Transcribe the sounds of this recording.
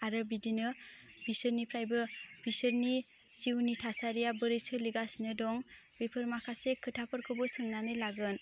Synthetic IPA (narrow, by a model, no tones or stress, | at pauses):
aɾɯbidinɯbisɯɾnipʰɾajbɯb̥isɯɾni | siwnitʰasaɾijabɯɾesɯliɡasnɯdɔŋbepʰɯɾmakʰasekʰɯtʰapʰɯɾkʰɯbɯsɯŋnanɯjlaɡɯn